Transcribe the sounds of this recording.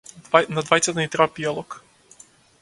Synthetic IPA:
nad̪vajt̪sat̪anit̪ɾapialˠɔk

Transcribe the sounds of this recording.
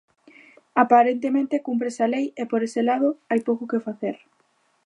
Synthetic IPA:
apaɾent̪emẽnt̪ekump̬ɾesalejepoɾeselað̞ʊajpowkokefaθeɾ

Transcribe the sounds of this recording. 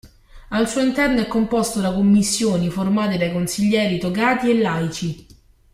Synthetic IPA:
alsuːoint̪ɛrnoɛkːompost̪od̪akomːisːjoːniformaːt̪̬ed̪ajkonsiʎːɛːɾit̪okaːt̪ielːajt͡ʃi

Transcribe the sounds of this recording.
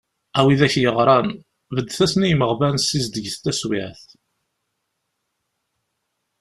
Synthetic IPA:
æwiðæçjəʁɾˤɑn | vəd̪ːθæsnijməʁvænsizd̪əʝθt̪æswɪʕθ

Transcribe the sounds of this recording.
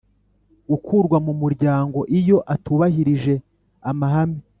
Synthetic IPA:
ɡukʰuːɾɡwamumuɾɟaːŋɡo̞ʔijo̞ʔatuβahiɾiʒe̞ | amaɦami

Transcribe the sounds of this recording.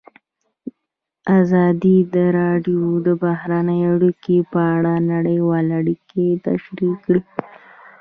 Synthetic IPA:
azɑd̪id̪əɾɑɖijod̪əbahɾanəjaɽikepəaɽanaɽəjwɑlaɽiket̪a̰ʃɾikːɽi

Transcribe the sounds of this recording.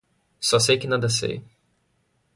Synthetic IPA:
sɔs̬ejkɪnãd̪ɐsḛj

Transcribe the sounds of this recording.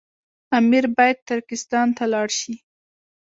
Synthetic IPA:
amiɾbɑjad̪̚t̪ʊɾkɪst̪ɑnt̪alɑɽʃi

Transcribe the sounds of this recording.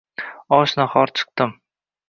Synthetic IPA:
ɒʃnaχɒɾt͡ʃʰɨ̥q̚t̪ɪm

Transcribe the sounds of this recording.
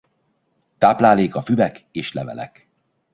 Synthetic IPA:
t̪aːplaːleːkɒfyvɛkeːʃlɛvɛ̰lɛ̰k

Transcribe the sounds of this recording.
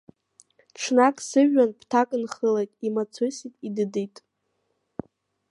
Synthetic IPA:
ʈ͡ʂʰnakʼsɨʒːanpʰtʰakʼɨnχəlajtʼimat͡sʰositʼidɨdijtʼ

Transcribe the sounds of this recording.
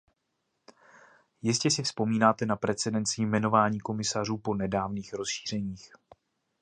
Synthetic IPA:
jɪscɛsɪfspo̞miːnaːt̪ɛnapɾɛt͡sɛdɛnt͡sɪmɛno̞vaːɲiːko̞mɪsar̝uːpo̞nɛdaːvniːxɾo̞sʃi̥ːr̝ɛɲiːx

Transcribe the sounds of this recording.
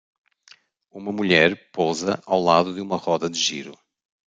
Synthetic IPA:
umɐmuʎɛɾpɔzɐʔawlˠaðuðɨumɐʁɔðɐðɨʒiɾṵ

